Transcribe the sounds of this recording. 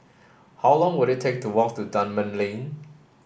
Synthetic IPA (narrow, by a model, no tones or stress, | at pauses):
hawlɔ̃ŋwʊɾɪtʰek̚tʰuwɔk̚tudãnmə̃nlĩŋ